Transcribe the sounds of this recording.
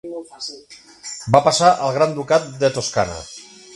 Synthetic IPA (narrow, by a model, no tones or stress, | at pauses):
bapasaʔəlˠɣɾand̪ukat̪̚d̪ət̪oska̰nə̰